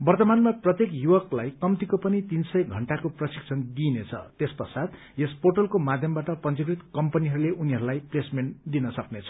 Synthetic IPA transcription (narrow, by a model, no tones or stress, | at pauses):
bʌrt̪ʌmanmaprʌt̪jekjuwʌklajkʌmt̪ikopʌnit̪insʌjɡʱʌɳʈakoprʌsi̥kt͡sʰʌnɡ̪inet͡sʰʌ̰t̪espʌsad̪ | esporʈʌlkomad̪ʱjʌmbaʈʌpʌnt͡sikrit̪kʌmpʌniɦʌɾuleʔuniɦʌɾulajplesmend̪inʌsʌknet͡sʰʌ̥